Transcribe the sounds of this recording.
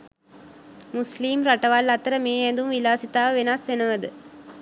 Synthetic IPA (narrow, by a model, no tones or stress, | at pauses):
musliːmɾaʈɐʋɐlːɐt̪ɐɾəmeːɛnd̪umʋilaːsit̪aːʋəʋenaːsʋenɐʋɐd̪ɨ